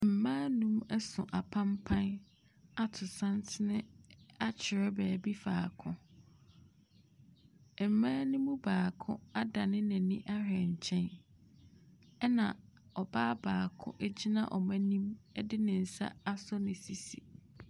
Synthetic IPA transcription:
m̩˨mãː˦nũ˦mɛ˦sʊ̃˨ʔa˨pʰã˦m˦pʰã˦n | a˦tʰʊ˨sã˦n˦tʰɪ˦nɪ̃˦a˦t͡ɕʰɪ˨ɾɛ˦bæː˨bi˦fa̰ː˨kʰʊ̃˦˨ | m̩˨mãː˦nɪ̃˦mũ˦baː˨kʰʊ̰̃˦a˦da˨nɪ̃˦næ̃˨nĩ˦ʔa˦ɦɛ̃˨ɲ̩˨t͡ɕʰɛ̃˦n | ɛ˦nã̰˨ɔ˨baː˦baː˨kʰʊ̰̃˦ʔæ˦d͡ʑi˦nã̰˨ʔɔ˨mæ̃˦nĩ˦mɛ˦dɪ˦nɪ̃˨n̩˨sa̰˦a˦sɔ˦nɪ̃˨si˨si˨

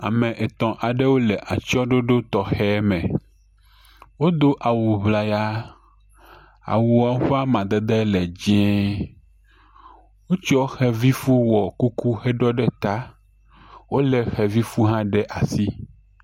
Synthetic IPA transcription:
a̰˨mɛ̃˨ʔɛ˨t̪ɔ̃˨ʔa˨ɖɛ˦wo˦lɛ˨ʔa˨t͡ʃɔ˦ɖo˦ɖo˦t̪ɔ˨xɛ˦mɛ̃˨ | wo˦d̪o˦ʔa˨wu˨βla˨ja˦ | a̰˨wu˨a˨˦ɸa˦mã˨d̪ɛ˦d̪ɛ˦lɛ˨d͡ʒɛ̃˦ | wo˦t͡ʃɔ˦xɛ˦vi˦fu˦wɔ˨ku˦ku˦xɛ˦ɖɔ˦ɖɛ˦t̪a˦ | wo˦lɛ˨xɛ˨vi˦fu˦ɦã˦ɖɛ˦ʔa˨si˦

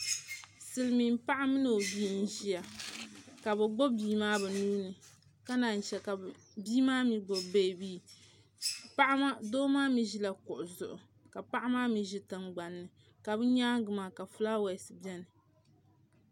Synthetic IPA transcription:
sɨ˨lmi˨mpa˦ʔa˦mɨ˦no˨o˨bi˦n̩˦ʒi˦ja˨ | ka˨bɛ˨ɡ͡bo˦biː˦maː˦bɛ˨nuː˦nɨ˨ | ka˦na˨n̩˨ʃɛ˨ka˨ | biː˦maː˦mi˨ɡ͡bo˨be˦˨biː˦ | pa˦ʔa˦ma˦doː˦maː˦mi˨ʒi˦la˨kʊ˨ʔʊ˨zʊ˨ʔʊ˨ | ka˨pa˦ʔa˦maː˦mi˨ʒi˦tɨ˨ŋɡ͡ba˨nːɨ˨ | ka˨bɨ˦ɲaː˦ɡɨ˨maː˨ka˨fu˦laː˦wa˨sɨ˨bɛ˦nɨ˨

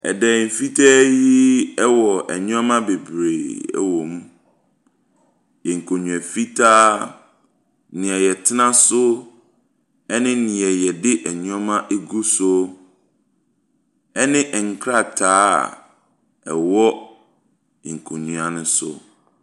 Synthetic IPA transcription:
ɛ̰˨dɛ˨m̩˨fi˦tʰɛ˦ji˦ɛ˦wɔ˨ʔɛ̰˨ɲũ˦a˦mã˦be˨bɾeː˨ɛ̰˨wɔ˨mũ˦ | ɛ˨ŋ̩˨kʰo˨ɲũ˨ɛ˨fi˦tʰaː˦ | nĩ˨ɛ˨jɛ˨tʰɪ˦nã˦sʊ˦ | ɛ˦nɪ̃˦nĩ˨ɛ˨jɛ˨dɪ˦ʔɛ˨ɲũ˦a˦mã˦ʔe˦ɡu˦sʊ˦ | ɛ˦nɪ̃˦ʔɛ˨ŋ̩˨kʰɾa˦˨tʰaː˦˨ | ɛ̰˨wɔ˦˨ | ŋ̩˨kʰo˨ɲũ˨a˨nɪ̃˦sʊ̰˦

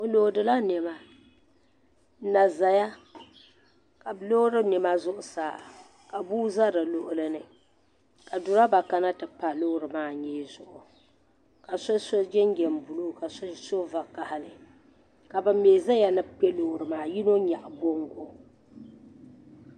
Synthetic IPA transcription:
o˨lo˨dɨ˨la˦nɛ˨ma˦ | na˨za˨ja˦ | ka˨lo˦ɾɨ˦nɪ˨ma˦zʊ˦ʔʊ˨saː˨ | ka˨buː˦za˦da˨lo˦˨ʔʊ˦lɨ˦nɨ˨ | ka˨dʊ˨ɾa˦ba˨ka˦na˦tɨ˨pa˨loː˦ɾɨ˨maː˦ɲɛː˦zʊ˨ʔʊ˨ | ka˨so˦so˦d͡ʒɛ˦ŋ˦ɡɛ˨m˨bu˨lu˦˨ka˨sso˦va˨ka˨ha˨lɨ˨ | ka˨bɨ˨meː˨za˦ja˨nɨ˦pɛ˦lo˦˨ɾɨ˨maː˨ji˦no˦ɲa˨ʔbo˦ŋ˦ɡo˦

